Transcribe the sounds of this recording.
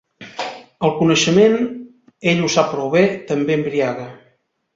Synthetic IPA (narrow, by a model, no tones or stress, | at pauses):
əlˠkunəʃəmen | eʎusapɾoβɛt̪əmbembɾiaɣə